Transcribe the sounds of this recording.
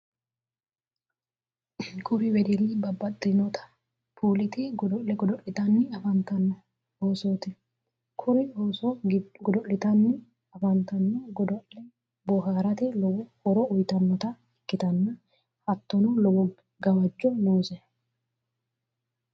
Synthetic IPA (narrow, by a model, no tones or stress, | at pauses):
kʼʊɾɪwɛd̪ɪlːɪbɐbːɐd̪ɪnɔt̪ʰɐ̥ | pʰuːlɪt̪ɪɡ̪ɔʔɛɡɔd̪ɔʔɪt̪ɐnːɪɐfɐnt̪ɐnːɔ | oːsoːt̪ɪ | kʰʊɾɪosɔɡɔd̪ɔʔɪt̪ɐnːɪ | ɐfɐnt̪ɐnːɔɡɔd̪ɔʔɛ | bɔhaːɾɐt̪ɛlɔwɔhɔɾɔʊjt̪ɐnːɔt̪ɐ | ɛkːɪt̪ɐnːɐ | hɐt̪ːɔnɔlɔwɔ | ɡɐwɐd͡ʒːɔnoːsɛ